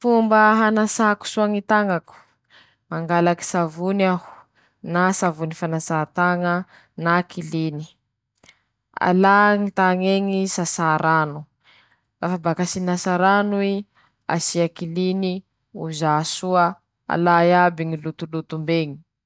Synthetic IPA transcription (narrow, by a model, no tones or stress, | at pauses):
fumbəɦanasaku̥suaŋit̪aŋaku̥ | maŋɡalaki̥savunahu̥ | nasavunifanasat̪aŋə | nakʰilini | a̰laŋit̪aŋeŋisasaɾanu | rafabakasinasaɾanui | a̰siakilini | uzasuə | a̰lajabiŋilut̪ulut̪umbeŋi̥